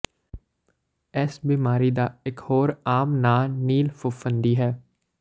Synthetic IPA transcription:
ɛsbiːmaːɾiːd̪aːɪkhoːɾaːmnaːniːlfʰʊfʰənd̪iːɦɛː

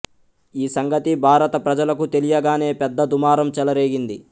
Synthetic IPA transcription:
iːsɐŋɡɐt̪ibʱaːɾɐt̪ɐpɾɐd͡ʒɐlɐkut̪e̞lijɐɡaːne̞ːpɛd̪ːɐd̪umaːɾɐmt͡ʃɛlɐɾe̞ːɡind̪i

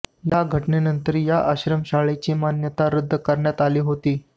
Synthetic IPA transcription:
jaɡʱəʈɳenənt̪əɾjaʔəɕɾəmɕaɭet͡ɕiːmanjət̪aɾəd̪ʱːəkəɾɳjat̪aliːɦot̪iː

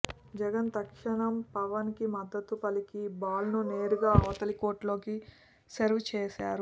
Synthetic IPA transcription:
d͡ʒɛɡɐnt̪ɐkʂɐɳɐmpɐʋɐnkimɐd̪ːɐt̪ːupɐlikibaːlnune̞ːɾuɡaːɐːt̪ɐliko̞ːʈlo̞ːki | seɾʋt͡ʃɛːʃaːɾu

